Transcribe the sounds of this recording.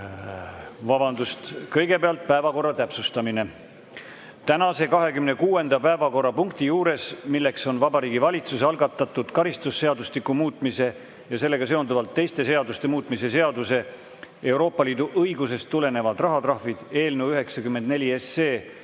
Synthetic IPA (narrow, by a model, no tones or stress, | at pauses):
vɑbɑnd̪̥ust̪kɤjɡe̞peɑlt̪̚pæevɑko̞rːɑt̪æpsust̪ɑmine̞ | t̪ænɑse̞kɑɦe̞kymne̞kuːe̞nd̪̥ɑpæevɑko̞rɑpuŋk̚t̪ijuːɾe̞smilːe̞kso̞nvɑbɑɾiːɡivɑlʲit̪suseɑlɡɑt̪ːˑɑt̪ːˑud̪̥kɑɾist̪usːe̞ɑd̪ustlikːumuːt̪ˑmise̞ | jɑse̞lːe̞ɡ̥ɑse̞ond̪uvɑlt̪ːe̞jst̪e̞se̞ɑd̪ust̪e̞muːt̪ːˑmise̞se̞ɑd̪use̞ | e̞wɾo̞ːpːˑɑliːd̪uʔɤjɡuse̞st̪ːule̞ne̞vɑd̪rɑɦɑt̪rɑhvid̪̥e̞ːlneuyɦe̞ksɑkymːend̪ne̞lʲie̞sːeː